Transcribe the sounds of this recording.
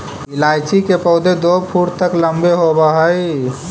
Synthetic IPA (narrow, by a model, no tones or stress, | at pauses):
ɪlaːjt͡ʃikepəʊd̪ed̪opʰuɾt̪əkləmbeɦobəɦəi